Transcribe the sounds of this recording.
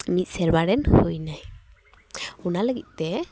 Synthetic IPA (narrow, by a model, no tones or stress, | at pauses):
nit̪̚sɛɾbaɾɛnhujnaj | unaləɡḭt̪̚ˀt̪ɛ